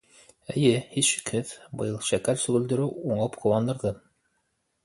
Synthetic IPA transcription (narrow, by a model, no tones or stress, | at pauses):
ɘ̆jɘhisʃɘ̥̆kɘθbɤ̰̆jɤlˠʃækæɾsɵ̆ɣɘ̆ld̪ɵ̆ɾɘwuɴɤpqʰŏwɑnd̪ɤ̆ɾðɤ